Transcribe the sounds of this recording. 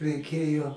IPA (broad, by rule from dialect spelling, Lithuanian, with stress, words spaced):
rʲɛɪˈkʲeːjoː